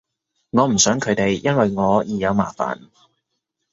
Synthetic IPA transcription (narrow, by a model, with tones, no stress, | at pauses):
ŋɔː˨˧m̩˨˩sœː˨˥ŋkʰɵ˨˧ɥt̪e˨jjɐ˥nwɐ˨jŋɔː˨˧jiː˨˧jɐ˨˧wmaː˨˩fa̰ː˨n